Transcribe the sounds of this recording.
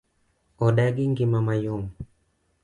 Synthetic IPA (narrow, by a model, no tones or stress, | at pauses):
ɔɗaɡiŋɡimamajɔŋ